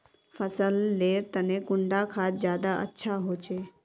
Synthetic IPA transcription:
fəsəlːeːɾt̪ənekʊɳɖakʰaːt̪zjaːd̪aʔə̰tːʃʰaɦoːt͡ʃeː

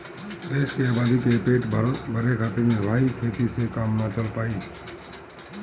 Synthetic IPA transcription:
d̪eːʃkeaːbaːd̪ʱikepeːʈbʱəɾekʰaːt̪eɾmẽʋʱaːikʰeːt̪isekaːmnət͡ʃəlpaːiː

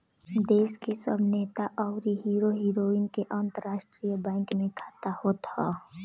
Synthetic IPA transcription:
d̪eːskesə̰bʱneːt̪aʔɔːʊɾiɦiːɾoɦiːɾoːɪnkeʔə̃nt̪əɾːaːʃʈɾijəbɛ̃ːŋkmẽkʰḁːt̪ahoːt̪aː

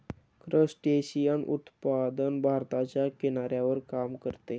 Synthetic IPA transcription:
kɾəsʈeɕijənṵt̪pad̪ənbʱaɾt̪at͡ɕjakenaɾjaʋəɾkamkəɾt̪e

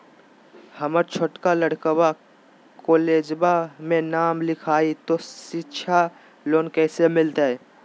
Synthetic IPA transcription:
həməɾt͡ʃʰoʈkaləɽkəwa | koːleːd͡ʒbamẽnaːmlɪkʰaːit̪osɪtːʃʰa | loːnkɛːsemɪlt̪eɦɛ

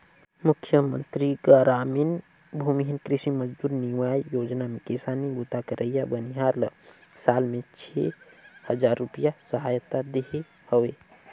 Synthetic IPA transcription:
mukʰjəmənt̪ɾiɡaɾamin | bʱumiɦinkɾiʃiməd͡ʒd̪uːɾniwajjod͡ʒnamekesanibut̪akəɾʔəjabəniɦaɾləsalmet͡ʃʰḛhəd͡ʒaɾːupijasəɦajət̪ad̪eɦe | həwe

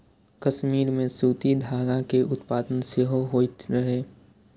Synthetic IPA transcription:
kɐʃmiːɾmẽsuːt̪id̪ʱaːɡãkeʔʊt̪paːd̪ənseɦoɦoːit̪ɾɐɦeː

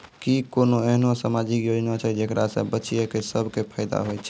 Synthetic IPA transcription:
kikonoeɦnosamad͡ʒikjod͡ʒnat͡ʃʰɛd͡ʒekɾasə̰̃bətːt͡ʃijəkesəbʱkepʰəɪd̪a̰ɦojt͡ʃʰɛ

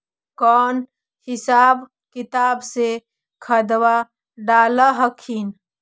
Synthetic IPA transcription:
kɔːn | hɪsaːb | kit̪aːbse | kʰəd̪wa | ɖaːlaɦəkʰin

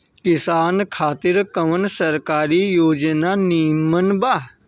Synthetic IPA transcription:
kɪsaːnkʰaːt̪ɪɾkəʋənsɐɾkaːɾijoːd͡ʒənaniːmənbaː

